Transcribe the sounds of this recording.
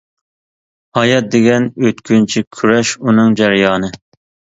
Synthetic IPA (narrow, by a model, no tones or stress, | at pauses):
hɑjɑt̪̚d̪eɡʲɛnøt̪kʲynt͡ʃʰikʲʰyɾɛʃunɨŋd͡ʒæɾjɑːnɨ